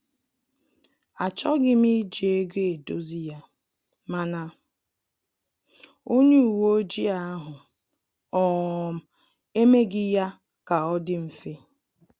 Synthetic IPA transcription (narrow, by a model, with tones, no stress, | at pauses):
a˨t͡ʃɔ˦ɡɪ˦mi˦d͡ʒe˨e˦ɡe˦e˨do˦zi˦ja˦ | ma˦na˦ | o˦ɲe˦u˨wo˦o˦d͡ʒi˦a˦ɦʊ˨ | ɔ˨m̩˦ | e˦me˦ɡɪ˦ja˦ | ka˨ɔ˦dɪ˦m̩˨fe˦